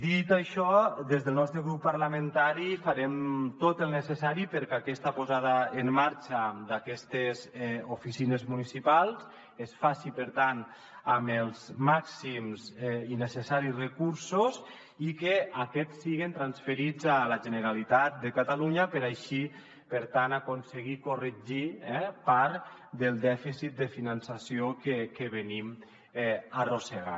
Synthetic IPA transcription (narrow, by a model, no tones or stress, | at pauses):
d̪it̪aʃɔd̪ezðəlˠnɔst̪ɾəɣɾupːaɾlament̪aɾifaɾɛmt̪ot̪əlˠnəsəsaɾipəɾkakɛst̪apozaðaemːaɾt͡ʃad̪akɛst̪ezufisinezmunisipalˠz | esfasipəɾt̪an | aməlˠzmaksimzinesesaɾisrekuɾsoz | ikeakɛt͡sːiɣent̪ɾansfeɾid͡zalaʒəneɾalit̪at̪̚d̪ekat̪aluɲapəɾajʃi | pəɾt̪anakonseɣ̞ikoreʒiɛpaɾd̪əlˠd̪ɛfisit̪̚d̪efinansasiokekeβenim | ɛaroseɣa̰